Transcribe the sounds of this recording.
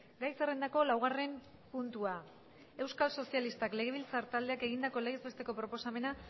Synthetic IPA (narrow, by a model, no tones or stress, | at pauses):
ɡajsere̞nd̪ako̞lawɣ̞are̞mpunt̪ua | e̞wskalso̞sialist̪akle̞ɣ̞e̞β̞ilt͡saɾt̪ald̪e̞ake̞ɣ̞ind̪ako̞le̞ɣezbe̞st̪e̞ko̞pɾo̞po̞same̞na